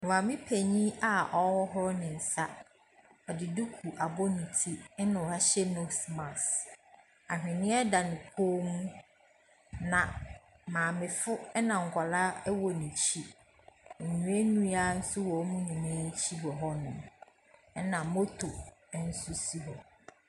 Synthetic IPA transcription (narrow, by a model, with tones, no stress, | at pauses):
ã˨mɪ̃˦pʰæ˨ɲĩ˦a˨ʔɔ˦wɔ˦ɦʊ˦ɾɔ˦nɪ̃˨n̩˨sa˦ | ɔ˨dɪ˨du˦kʰu˨ʔa˨bɔ˦nĩ˨tʰi˦nã˨ɾa˦ɕɛ˦no˦smã˨s | a˨ɦᶣɪ̃˨nɪ̃˦ɛ˦da˨nɪ̃˨kʰoː˦mũ˦ | nã˨ | mãː˨mɪ̃˨fʊ˦ɛ˦nã˨ŋ̩˨kʷʰa˨la˦wɔ˨nĩ˨t͡ɕʰi˦ | ɛ˨ɲũ˨˦e˦nũ˦a˦n̩˦sʊ˦wɔ˨˦mũ˦ɲĩ˨mãː˨˦t͡ɕʰi˦ɦɔ˨ɦɔ˦nʊ̰̃˨m˦ | nã˨mo˦tʰo˨˦n̩˦sʊ˦si˦ɦɔ˨